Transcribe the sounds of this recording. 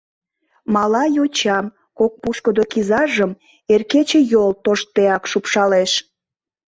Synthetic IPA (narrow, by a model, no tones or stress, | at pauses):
mɑlɑjot͡ɕɑm | kok̚puʃkəd̪okizɑʒəm | erket͡ɕejolt̪oʃt̪eɑkʃupʃɑleʃ